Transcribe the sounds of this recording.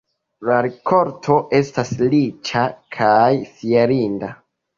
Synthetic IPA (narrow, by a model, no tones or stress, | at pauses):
laɾikʰo̞ɾtʰo̞ʔe̞staslit͡ʃakʰajfieɾinda